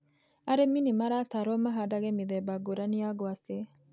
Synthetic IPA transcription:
ɐɾɛminimɐɾaːt̪aɾomːɐɦadaɡemid̪ebaɡuɾanijaɡɔase

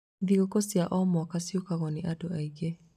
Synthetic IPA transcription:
ðiɣokɔsjaʔɔmɔkasjokaɣɔniʔadoaiɣe

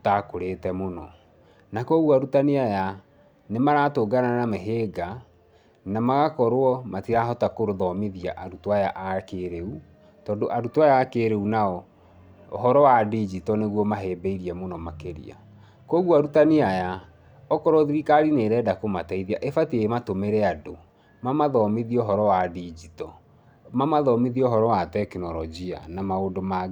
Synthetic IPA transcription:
otakoɾetɛmonɔ | nakoɣwaɾutaniaja | nemaɾatoɡananameɦeːɡa | namaɣakɔɾoɔmatiɾaɦɔtakoɾoðɔmeðia̰ʔaɾutowajaʔakeɾeu | tɔːndoʔaɾutwajaːkeɾeunaɔ | oɦɔɾɔwadid͡ʒitɔneɣwɔmaɦebeiɾiɛmonɔmakeɾḭa̰ | kɔɣwaɾutaniaja | ɔkɔɾɔðiɾikaɾineɾɛːdakomataiðiaʔefatiematomeɾɛado | mamaðɔmeðioɦɔɾɔwadid͡ʒitɔ | mamaðɔmiðiɔoɦɔɾɔwatɛkinɔɾɔd͡ʒia̰namaondoma

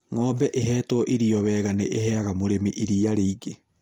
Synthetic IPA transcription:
ŋɔːbɛʔeɦɛːtwɔʔiɾiɔwɛːɣaneʔeɦɛaɣamoɾemiʔiɾiaɾeiɡe

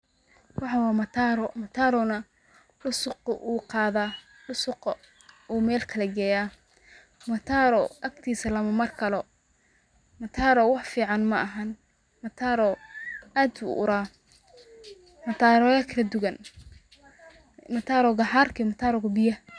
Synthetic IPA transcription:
wɑħɑwɑːmɐt̪ʰaːɾɔmɐt̪ʰaːɾɔnɐ | ɖʊsʊqʔuːqɑːðaː | ɖʊsʊqɐ | uːmɛːlkʰɐlɐɡɛːjaː | mɐt̪ʰaːɾɔʔɐkt̪ʰiːsɐlɐmɐmɐrkʰɐlɔ | mɐt̪ʰaːɾɔwɑħfiːʕɑnmɐʔɐɦɐn | mɐt̪ʰaːɾɔaːd̪bṵʔʊɾaː | mɐt̪ʰaːɾɔjɐkʰɐlɐd̪ʊɣɐn | mɐt̪ʰaːɾɔɡɑħaːrkʰimɐt̪ʰaːɾɔɣʊbɪjɐ

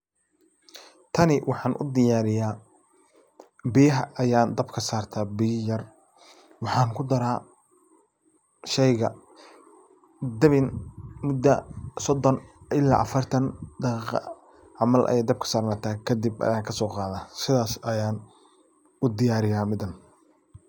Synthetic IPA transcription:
t̪ʰɐnɪwʔɑħɑːnʔʊ̰d̪ɪjaːɾɪjaː | bɪjɐɦɐʔɐjaːnd̪ɐbkʰɐsaːrt̪ʰaːbijjɐr | wɑħɑːŋkʰʊd̪ɐɾaː | ʃɛjɣɐ | d̪ɐβɪnmʊd̪ːɐsɔd̪ɔnɪlːa̰ːʔɐfɐrt̪ʰɐnd̪ɑqiːqɑ̰ | ʕɑmɐlʔɐ̰jɛːd̪ɐb̚kʰɐ̥saːrnat̪ʰaːkʰɐd̪ɪbɐ̰jaːŋkʰɐsɔːqɑːðaːsɪðaːsɐjaːn | ʊd̪ɪjaːɾɪjaːmɪd̪ɐn

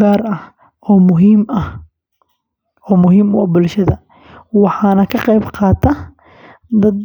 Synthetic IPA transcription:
aːrɐh | ɔːmʊɦiːmɐh | ɔːmʊɦiːmʊɐbʊlʃɐðɐ | wɑħɑːnɐkʰɐqɛjbqɑːt̪ʰɐ | d̪ɐd̪

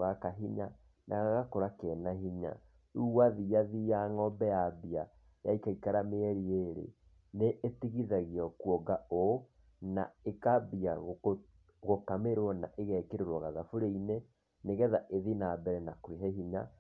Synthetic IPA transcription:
wakaɦiɲa | nʔa̰ɣaɣakoɾakɛnahiɲa̰ | uwaðijaðijaŋɔbɛjabia | jaikaikaɾameɛɾieɾḛ | neʔetiɣiðaɣiɔkwɔɡao | na̰ekabiaɣ | ɣokameɾwɔnaʔeɣɛkeɾeɾwɔɣaðafoɾeine | neɣɛðaʔeðinabɛɾɛnakoeɦɛhiɲa

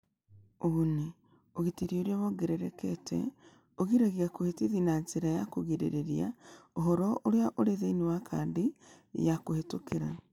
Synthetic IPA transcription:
oune | oɣitiɾioɾiaβɔɡeɾɛɾɛkɛtɛ̰ | oɣiɾaɣiakohetiðinanzeɾajakoɣiɾḛɾeɾija̰oɦɔɾɔʔoɾeaʔoɾeðeinewakʰaːndi | jakohetokeɾa

